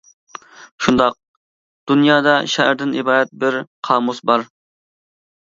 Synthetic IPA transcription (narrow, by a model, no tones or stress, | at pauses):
ʃund̪ɑq̚ | d̪̥unjɑːd̪ɑʃæhɾd̪ɪnibɑːd̪ɛt̪̚bɪɾqʰɑːmusbɑɾ